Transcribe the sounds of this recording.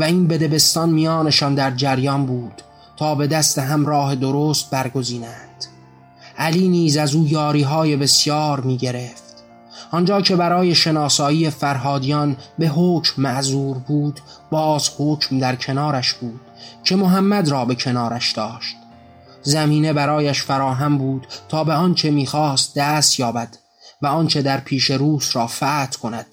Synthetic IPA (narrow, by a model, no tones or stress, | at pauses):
væiːnbe̞d̪e̞be̞st̪ɒnmijɒːne̞ʃɒːnd̪æɾd͡ʒæɾjɒnbuːd̪̥ | t̪ʰɒːbe̞d̪æst̪e̞ɦæmɾɒːɦe̞d̪oɾoːst̪̚bæɾɡo̞ziːnænd̪̥ | ʔæliːniːzæzuːjɒːɾiːɦɒːje̞be̞sjɒːɾmiːɟe̞ɾe̞ft̪ | ʔɒnd͡ʒɒːcʰe̞bæɾɒːje̞ʃe̞nɒːsɒːiːefæɾɦɒːd̪ijɒnbe̞ɦoːcmːæʔzuːɾbuːd̪ | bɒːzhoːcʰmd̪æɾcʰe̞nɒːɾæʃb̥uːd̪̥̚cʰe̞mo̞ɦæmːæd̪ɾɒːbe̞cʰe̞nɒːɾæʃd̪̥ɒːʃt̪ | zæmiːne̞bæɾɒːjæʃfæɾɒːɦæmbuːd̪̥t̪ʰɒːbeɒnt͡ʃʰe̞miːxɒːst̪̚d̪æːst̪jɒːbæd̪̥ | væɒːnt͡ʃʰe̞d̪æɾpʰiːʃe̞ɾuːsɾɒːfæːt̪ʰkʰo̞næd̪̥